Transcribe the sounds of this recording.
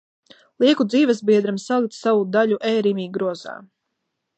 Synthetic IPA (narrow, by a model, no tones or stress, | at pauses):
lˠiɛkud̪ziːvɛs̬biɛd̪ɾamsalˠikt̪savud̪aʎuʔɛːɾimiːɡɾuɔza̰ː